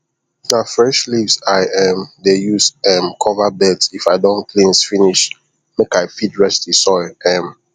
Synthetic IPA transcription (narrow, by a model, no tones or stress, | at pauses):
nafɹɛʃlivsaɪʔɛmdejusɛmkʰɔvabɛdsifaɪdɔ̃nkʰlĩnsfiniʃ | mekaɪfitɹɛsdisɔɪɛ̃m